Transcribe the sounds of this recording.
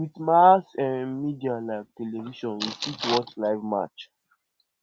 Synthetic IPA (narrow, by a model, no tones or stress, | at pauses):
witmasɛ̃nmidialaɪvteleviʃɔ̃nwisitwɔt͡ʃlaɪvma̰t͡ʃ